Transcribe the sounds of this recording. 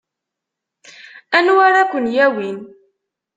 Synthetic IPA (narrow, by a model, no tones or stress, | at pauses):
ænuwaɾakʷənjæwin